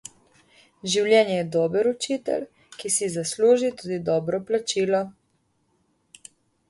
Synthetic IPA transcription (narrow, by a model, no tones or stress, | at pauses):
ʒiwljɛːnjɛjɛd̪ɔːbəɾut͡ʃit̪ɛ̰l | kisizasluːʒit̪ud̪id̪ɔːbɾɔplat͡ʃiːlɔ